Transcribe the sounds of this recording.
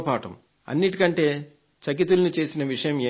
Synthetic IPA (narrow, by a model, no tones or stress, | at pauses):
paːʈɐ̰m | ɐ̰nːiʈikɐɳʈe̞ː | t͡ʃɐkit̪ulɐnit͡ʃe̞ːsinɐʋiʂɐjɐmeː